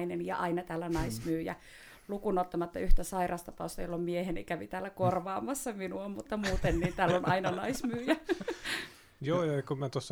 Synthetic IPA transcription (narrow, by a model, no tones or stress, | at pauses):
inenjɑ̰ʔɑinɑt̪æːlːænɑismyːjæ̰ | lukunot̪ːɑmɑt̪ːɑyht̪æsɑirɑst̪ɑpɑust̪ɑjolːommiehenikæʋit̪æːlːækorʋɑːmɑsːɑminuommut̪ːɑmuːt̪enniːnt̪æːlːonɑinɑnɑismyːjæ | joːjɑkummæt̪osː